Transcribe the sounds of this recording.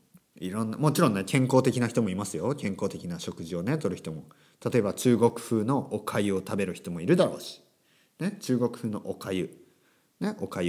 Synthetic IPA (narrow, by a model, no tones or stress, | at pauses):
iɾõ̞nːa̰mo̞t͡ɕiɾõ̞nːekẽ̞ŋko̞ːt̪e̞kʲinaçi̥t̪o̞mo̞imasɨjo̞kẽ̞ŋko̞ːt̪e̞kʲinaɕo̞kɯ̟ʑio̞ne̞t̪oɾɯ̟çʲi̥t̪omo̞ | t̪at̪o̞e̞bat͡ɕɨːɡo̞kɯ̟̥ɸɯ̟ːno̞ʔokʰaio̞t̪abe̞ɾɯ̟çi̥t̪o̞mo̞iɾɯ̟d̪aɾo̞ːɕi̥ | ne̞t͡ɕɨːɡo̞kɯ̟̥ɸɯ̟ːno̞̰ʔokajɯ̟ | ne̞ʔo̞kai